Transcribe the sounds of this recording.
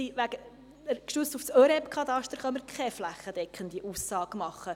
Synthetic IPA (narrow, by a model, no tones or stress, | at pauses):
iʋæɡ̥ə | əɾkʃyt͡sstufsœːɾɛpkʰɑt̪ɑʃtəɾχœməɾkʰɛflæχːəd̥ɛkʰəndiʔusːɑːɡəmɑχːə